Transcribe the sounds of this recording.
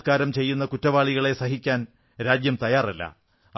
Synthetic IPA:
kaːɾɐmt͡ɕe̞jːunːɐkutːɐʋaːɭiɣɐɭesɐɦikʲːaːn | ɾaːd͡ʑjɐmt̪ɐjaːrilːɐ̰

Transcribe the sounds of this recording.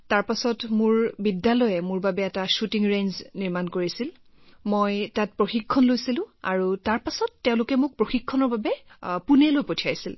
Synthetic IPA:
taɹpasɔtmʊɹbidːalɔjɛmʊɹbabɛːtaʃutiŋɹenzniɹmankoɹisil | mojtat̚pɹoxikʰːɔnlojsilʊ̃a̰ɹutaɹpasɔtːɛʊ̃lʊkɛmʊk̚pɹoxikʰːɔnɔɹbabɛpunɛlojpotʰiajsil

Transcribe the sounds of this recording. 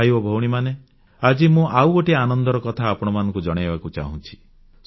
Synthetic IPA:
aibɔbʱowɽ̃imane | ad͡ʒimũʔawɡoʈianɔnd̪ɔɾɔkɔt̪ʰaːpɔɽ̃ɔmanɔ̃ŋkud͡ʒɔɽ̃ebakut͡ʃa̰ɦṵ̃t͡ʃʰi̥ | s

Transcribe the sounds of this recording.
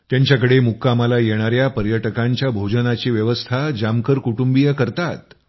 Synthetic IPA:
t̪jaɲt͡ɕjak̬əɽemukːamalajeɽ̃aɾjapəɾjəʈəkãɲt͡ɕjabʱod͡ʑənat͡ɕiːʋjəʋəst̪ʰad͡ʑamkəɾkuʈumbijəkəɾt̪at̪̚

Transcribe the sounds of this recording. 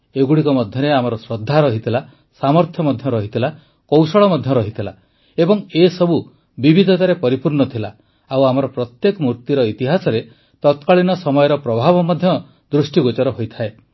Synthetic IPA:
eɡuɽikɔmɔd̪ʱjɔɾeamɔɾɔsɾɔd̪ʱːaɾɔɦit̪ʰila | samɔɾt̪ʰjɔmɔd̪ʱjɔɾɔɦit̪ʰila | kɔwsɔɭɔmɔd̪ʱjɔɾɔɦit̪ʰila | ebɔŋesɔbu | bibʱid̪ʱɔt̪aɾepɔɾipuɾɳɔt̪ʰila | awamɔɾɔpɾɔt̪jekɔmuɾt̪jiɾɔit̪iɦasɔɾe | t̪ɔt̪kaɭinɔsɔmɔjɔɾɔpɾɔbʱabɔmɔd̪ʱjɔ | d̪ɾusʈiɡot͡ʃɔɾɔɦojt̪ʰae

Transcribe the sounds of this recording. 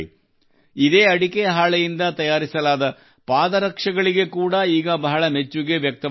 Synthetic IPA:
id̪e̞ːɐɽikeɦaːɭɐjind̪ɐt̪ɐjaːɾisɐlaːd̪ɐ | paːd̪ɐɾɐkʂɐɡɐɭiɡe̞kuːɽɐiːɡɐbɐɦɐɭɐme̞t͡ʃːuɡe̞ʋjɐk̚t̪ɐ

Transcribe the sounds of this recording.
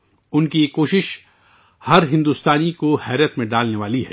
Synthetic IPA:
ʊnkijekoːʃɪʃ | hɐɾɦɪ̃nd̪ust̪aːnikohɛːɾijət̪mẽɖaːlneʋaːliɦɛ̰ː

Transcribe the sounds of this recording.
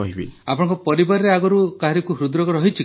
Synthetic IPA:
ɔɦibḭapɔɽ̃ɔ̃ŋkɔpɔɾibaɾɔɾeaɡɔɾukaɦɔɾikuɦɾud̪ɾɔɡɔɾɔɦit͡ʃʰi

